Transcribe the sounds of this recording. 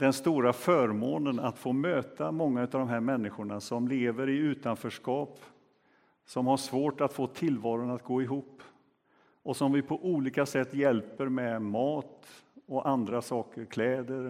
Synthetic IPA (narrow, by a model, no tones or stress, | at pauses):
d̪ɛnst̪uːɾafœːɾmoːnənat̪foːmøːt̪amɔŋːaʉ̟ːt̪avd̪ɔmɦæːɾmɛnːɪɧʊɳasɔmleːvəɾɪʉ̟ːt̪anfœːʂkɑːp | sɔmhaʂvoːʈat̪foːt̪ʰɪlːvɑːɾʊnat̪̚ɡoːɪɦuːpː | ʔɔsɔmvɪpʰɔʔuːliːkasɛt̪ːjɛlpəɾmɛmɑːt̪ɔʔand̪ɾasɑːkəɾkʰlɛːd̪əɾ